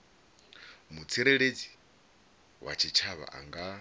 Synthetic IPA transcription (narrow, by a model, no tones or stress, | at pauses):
mut͡sʰiɾeɺed͡zi̥ | wa̰t͡ʃʰit͡ʃʰaβa̰ʔa̰ŋɡa